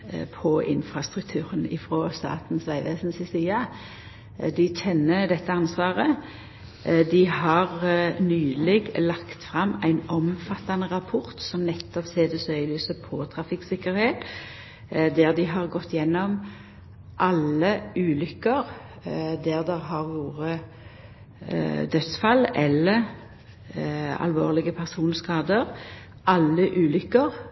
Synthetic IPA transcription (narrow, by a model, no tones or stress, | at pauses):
pʰɔɪ̰nfʁɑst̪ʁʉkt̪ʰʉːʁənɪfʁɔːst̪ɑ̰ːt̪n̩sʋæɪʋeːsnsɪsiːɑ | d̪ɪtɛnːəd̪ɛt̪ːəɑnsʋɑːʁə | d̪ɪhɑʁnyːlɛɡlɑkt̪fʁɑmːæɪnɔmfɑt̪ːɑnəʁɑpʰʊʁt̪sɔmnɛt̪ːɔpseːd̪əsœʏlyːsəpʰɔt̪ʰʁɑfɪksɪkəɾheːt̪ | d̪æʁd̪ɪɦɑʁɡɔt̪ːjɛnːɔm | ʔɑləʔʉːlʏkːəʁ | d̪æʁd̪ɛʁɦɑʁʋoːʁə | d̪œt̪sfɑlɛlːə | ɑ̰lʋo̰ːʁlɪɡəpʰæʁsuːnskɑːd̪əʁ | ʔɑlːəʔʉːlʏkːəʁ